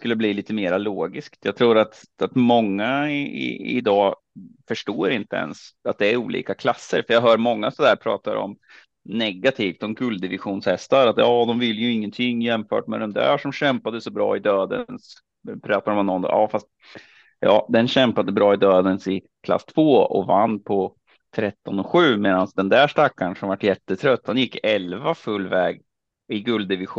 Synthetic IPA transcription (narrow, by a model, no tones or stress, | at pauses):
skɵlːəbliːliːt̪əmeːɾaloːɡɪskt̪jɑːɡ̚t̪ʰɾuːɾat̪ | at̪mɔŋːaɪ̰ɪ̰d̪ɑː | fœʂʈoːɾɪnt̪əɛ̰nsat̪̚d̪ɛːɾuːlḭːkakʰlasːə̰ɾfœɾjɑːɡɦœːɾmɔŋːasɔd̪æːɾpʰɾɑ̰ːt̪aɾɔ̰m | nɛɡat̪ʰiːft̪ɔmɡɵld̪ɪvɪɧuːnshɛst̪aɾat̪jɑːd̪ɔmvɪlːjɵɪŋːənt̪ʰɪŋjɛmfœ̰ːʈmɛɾɛnd̪æ̰ːʂɔmɕɛmpad̪əsɔbɾɑ̰ːɪd̪øːd̪ə̰ns | pʰɾɑːt̪ad̪əmanːɔn̰jɑːfast̪̚ | jɑ̰ːd̪ɛnɕɛmpad̪əbɾɑːɪd̪øːd̪ənsɪ | kʰla̰st̪ʰvoːɔ̰vanːpʰɔ | t̪ʰɾɛt̪ːɔnɔɧʉ̟ːmeːd̪ansd̪ɛnd̪æʂʈakːansɔmvaʈːjɛt̪ːət̪ʰɾœt̪̚ːd̪ɛnjɪkːɛlvafɵlːvɛːɡ | ɪɡɵld̪ɪvɪɧ